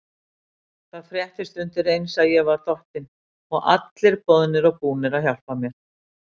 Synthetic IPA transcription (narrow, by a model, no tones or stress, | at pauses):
θaðfɾjɛht̪ɪst̪ʏnt̪ɪrejnsaðjɛɣvaɾ̥t̪ɔht̪ɪn | ɔɣʔa̰t̪lɪɾ̥pɔðnɪɾɔɣpuːnɪɾaðçjawl̥pamjɛɾ̥